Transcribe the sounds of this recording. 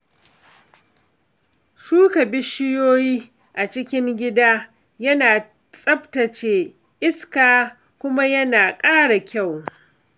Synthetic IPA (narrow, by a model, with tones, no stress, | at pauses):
ʃuː˦kɐ˨bɪ˦ʃɪ˦joː˦jiː˦ | ʔa˨t͡ʃɪ˦kʲɪ˦ŋɡʲɪ˦daː˦ | jɐ˦naː˨ | sʼɐ˦btɐ˨t͡ʃeː˨ | ʔɪ˦skaː˨ | kʷʊ˦ma˦jɐ˦naː˨kʼaː˦ɽa˨kʲa˦˨w